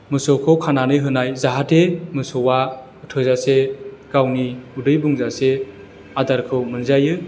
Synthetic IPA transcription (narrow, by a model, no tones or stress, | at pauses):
mɯsɔkʰɔkʰananɯɦɯnajzaɦatemɯsɔwa | ɯtʰɯzaseɡ̥awniudɯjbuŋzase | adaɾkʰɯwmɯnzajɯ